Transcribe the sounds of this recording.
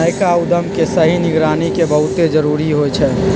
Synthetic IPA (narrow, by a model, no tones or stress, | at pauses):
əɪkaud̪əmkesəɦinɪɡɾaːnikebəɦut̪ed͡ʒəɾuːɾiɦojt͡ʃʰɛː